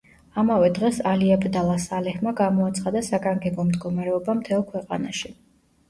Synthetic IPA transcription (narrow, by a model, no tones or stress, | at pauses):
amavɛd̪ʁɛsaliabɾd̪alˠasalɛhmaɡamɔat̪sʰχad̪asaɡaŋɡɛbɔmd̪ɡɔmaɾɛɔbamt̪ʰɛlˠkʰwɛqʼa̰naʃi